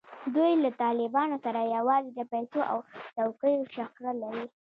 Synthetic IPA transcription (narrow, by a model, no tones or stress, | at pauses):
d̪ujlat̪ɑlɪbɑnosaɾajawɑzed̪əpajsoʔa̰wtawkəjoʃakɾalaɾi